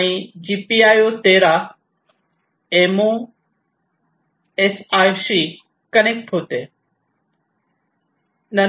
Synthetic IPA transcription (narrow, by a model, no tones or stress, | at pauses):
ĩd͡ʑiːpiːaːjot̪eːɾa | emoː | esaːjsiː | kəneːk̚ʈɦoːt̪eː | nɐ